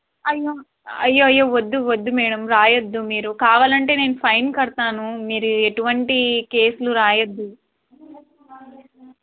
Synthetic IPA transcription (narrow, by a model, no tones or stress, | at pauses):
ɐjːoː | ɐjːoːɐjːoːʋod̪ːuʋod̪ːumɛːɽɐmɾaːjɐd̪ːumiːɾukaːʋaːlɐɳʈe̞ːne̞ːnupʰɐjnkɐɽt̪aːnumiːɾueʈuʋɐɳʈike̞ːsuluɾaːjɐd̪ːu